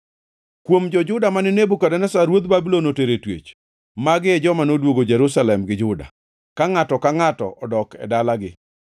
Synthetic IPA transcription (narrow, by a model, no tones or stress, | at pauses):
kwomd͡ʒɔd͡ʒʊdamanɪnebukadɛnɛsaɾwot̪babilonoteɾetwḛt͡ʃ | maɡɪɛd͡ʒɔmanodwoɡod͡ʒɛɾusalɛmɡɪd͡ʒʊda̰ | kaŋatɔkaŋatɔ̰ʔɔdɔkɛ̰dalaɡɪ